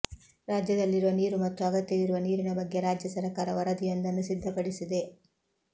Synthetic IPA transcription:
ɾaːd͡ʒjɐd̪ɐlːiɾuʋɐniːɾumɐt̪ːuɐɡɐt̪jɐʋiɾuʋɐniːɾinɐbɐɡːe̞ɾaːd͡ʒjɐsɐɾɐkaːɾɐʋɐɾɐd̪ijɐnd̪ɐnːusid̪ʱːɐpɐɽisid̪e̞

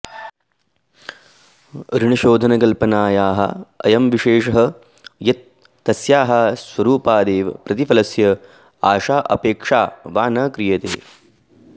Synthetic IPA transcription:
ɾiɳɐʃoːd̪ʱɐnɐkɐlpɐnaːjaːɦɐ̰ɐ̰jɐmʋiʃeːʂɐɦɐ | jɐt̪̚ː | ɐsjaːɦɐsʋɐɾuːpaːd̪eːʋɐpɾɐt̪ifɐlɐsjɐ | aːʃaːʔɐ̰peːkʂaːʋaːnɐːkɾijɐt̪ḛː

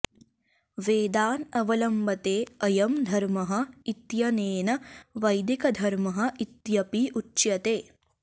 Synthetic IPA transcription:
ʋeːd̪aːnɐʋɐlɐmbɐt̪eːɐjɐmd̪ʱɐɾmɐɦɐ̆it̪jɐneːnɐʋɐjd̪ikɐd̪ʱɐɾmɐɦɐ̆it̪jɐpiʔutːʃjɐt̪eː

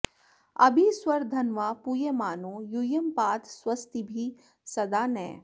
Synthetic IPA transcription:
ɐ̰bʱiswɐɾd̪ʱɐnʋaːpujemaːnoːjujəmpaːt̪swɐst̪ibʱi | sɐd̪aːnɛ̰̃ː

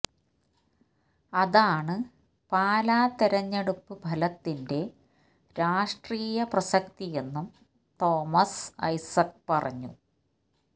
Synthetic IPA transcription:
ɐðaːɳɨ | paːlaːt̪eɾɐɲːeɽupːɨbʱɐlɐt̪ːinde̞ | ɾaːʂʈriːjɐprɐsɐkt̪ije̞nːum | t̪o̞ːmɐsɐ̰jsɐk̚pɐrɐ̰ɲːu

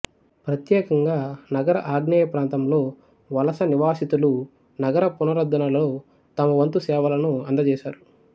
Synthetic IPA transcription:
pɾɐt̪jɛːkɐŋɡaːnɐɡɐɾɐ̰ʔaːɡnɐjɐpɾaːnt̪ɐmlo̞ː | ʋɐlɐsɐniʋaːsit̪ulu | nɐɡɐɾɐpunɐɾɐd̪ʱːɐnɐlo̞ː | t̪ɐmɐʋɐnt̪usɛːʋɐlɐnuɐnd̪ɐt͡ʃɛːʃaːɾu

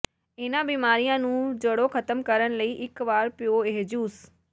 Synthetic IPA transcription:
ɪnãbiːmaːɾijãnũd͡ʑɐɽoxɐt̪əmkɐɾəɽ̃ləiʔɪkʋaːɾpijoeɦed͡ʑuːs

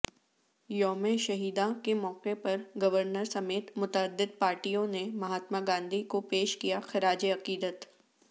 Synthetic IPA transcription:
jɔːmeʃɐɦiːd̪ãkemɔːqepɐɾɡɐʋəɾnəɾsɐmeːt̪mʊt̪əːd̪ːɪd̪̚paːɾʈijõnemɐɦaːt̪maɡãːnd̪ʱikopeːʃkijaxɪɾaːd͡ʒiɐqiːd̪ət̪

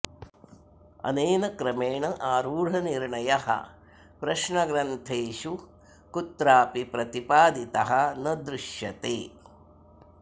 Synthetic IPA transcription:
ɐ̰neːnɐkɾɐmeːɳɐʔaːɾuːɽ̤ɐniɾɳɐjɐhɐ̰ | pɾɐʃɳɐɡɾɐnt̪ʰeːʃu | kut̪ɾaːpipɾɐt̪ipaːd̪it̪ɐɦɐnɐd̪ɾuʃjɐt̪eː

